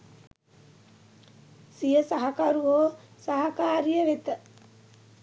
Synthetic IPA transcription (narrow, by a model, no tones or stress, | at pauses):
sijəsaɦakaɾuɦoːsaɦakaːɾijəʋet̪ə